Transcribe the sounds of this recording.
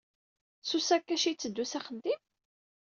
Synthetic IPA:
susækːæʃit͡sːəd̪ːusæχəd̪im

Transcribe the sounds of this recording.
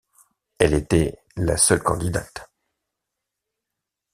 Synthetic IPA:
ɛlet̪ɛ | lasœlkɑ̃d̪id̪at̪

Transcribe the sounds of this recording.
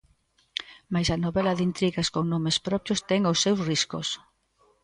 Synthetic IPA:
majsɐnoβɛlɐðint̪ɾiɣaskoŋnomespɾɔpjʊst̪ɛŋosːewsriskos

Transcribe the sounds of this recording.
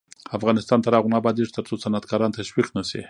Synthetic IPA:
afɣɑnɪst̪ɑnt̪aɾɑɣunabɑd̪iʐt̪əɾt͡sosanat̪kɑɾɑnt̪aʃwiqnasḭ

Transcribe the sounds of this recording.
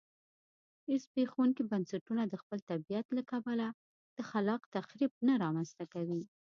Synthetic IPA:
ɪspexawuŋkibansaʈunad̪əxpəlt̪abijat̪lakabala | d̪̥əxalɑqt̪axɾib̚naɾɑmanst̪akawi

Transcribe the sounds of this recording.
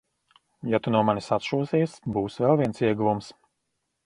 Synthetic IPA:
jat̪unuɔmanisat̪ʃuɔsiɛsbuːsvɛlˠvʲiɛnsiɛɡuvums

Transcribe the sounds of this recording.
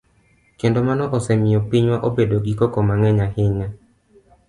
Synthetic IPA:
kendomanɔʔɔsɛmɪɔpiɲwaʔobedoɡikɔkɔmaŋɛɲahɪɲa

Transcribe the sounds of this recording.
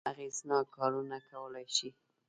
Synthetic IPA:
aɣeznɑkɑɾunakawəlajʃi

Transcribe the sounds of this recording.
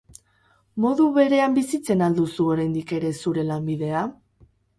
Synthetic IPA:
mo̞ðuβe̞ɾe̞ambisit͡se̞nald̪usuo̞ɾajnd̪ike̞ɾe̞suɾe̞lambiðe̞a

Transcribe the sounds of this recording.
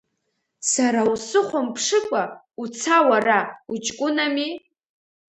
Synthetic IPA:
saɾausɨχʷampʰʂɨkʷʼa | ut͡sʰawaraut͡ʃʼkʷʼʊnami

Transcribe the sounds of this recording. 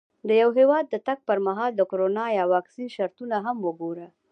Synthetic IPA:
d̪əjawɦewɑd̪ːət̪aɡ̚pəɾmaɦɑld̪əkoɾonɑjɑwɑksinʃaɾt̪unaɦamwəɡoɾə

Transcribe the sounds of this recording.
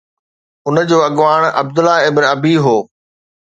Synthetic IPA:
ʊnəd͡ʑoːɐɠʋaːɽ̃ɐ̰b̚d̪ʊlaːɪbnɐbʱiɦoː

